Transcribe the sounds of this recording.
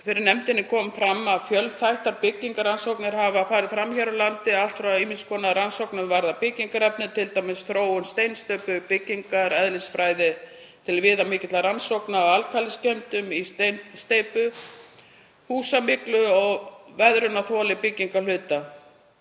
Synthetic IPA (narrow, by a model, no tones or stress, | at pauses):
fɪɾɪɾnɛmt̪ɪnːɪkʰɔːmfɾamːaðfjœlθajht̪aɾpɪcːiŋkaɾansowknɪɾhavafaːɾɪðfɾamçaɾalant̪ɪal̥t̪fɾaiːmɪskʰɔːnaɾansowknʏvaɾðapɪciŋkaɾɛpnʏt̪ʰɪlt̪ajmɪsθɾoːwʏnst̪ejnst̪œɥpʏpɪcːiŋkaɾɛðlɪsfɾaːjðɪ | t̪ʰɪlvɪːðamɪːcɪt̪laɾansowknaɔɣalkʰalɪscɛmt̪ʏmist̪st̪ejpʏ | huːsamɪklʏɔɣvɛðɾʏnaθɔːlɪpɪcːiŋkalʏːt̪a